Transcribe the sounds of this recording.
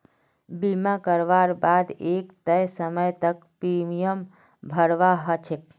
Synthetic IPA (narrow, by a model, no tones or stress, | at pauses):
bimakəɾʋaɾbad̪ekt̪əjsəməjt̪ək | pɾimijəm | bʱəɾʋaɦət͡ʃʰek̚